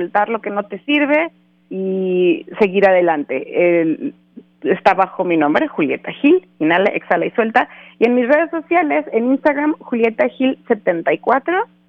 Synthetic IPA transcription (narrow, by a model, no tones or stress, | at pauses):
lt̪aɾlo̞ke̞no̞t̪e̞siɾβe̞ | ise̞ɣiɾaðe̞lant̪e̞̰e | est̪aβaxo̞minõmbɾexulje̞̰t̪axil | inalaʔeksalaiswe̞lt̪aie̞nmizre̞ð̞e̞sːo̞sjale̞seninst̪aɣɾamxulje̞t̪axilse̞t̪ent̪ajkwat̪ɾo̞